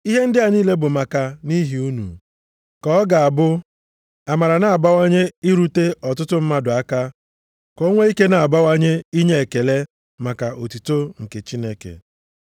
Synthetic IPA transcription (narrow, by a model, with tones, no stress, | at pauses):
i˦ɦe˦n̩˦dɪ˦a˨ɲiː˦le˦bʊ˨ma˨ka˨ni˦ɦi˨u˦nṵ˨ | kɔ˦ɔ˦ɡa˨a˨bʊ˦ | a˨ma˨ɾa˨na˨a˨ba˦wa˦ɲe˦i˦ɾu˦te˦ɔ˨tʊ˦tʊ˦m̩˦ma˦dʊ˨a˦ka˦ | ko˦ŋʷe˦i˦ke˦na˨a˨ba˦wa˦ɲe˦i˦ɲe˦e˨ke˨le˦ | ma˨ka˨ʔo˨tu˨to˦ŋ̩˨ke˨t͡ʃi˦ne˦kḛ˨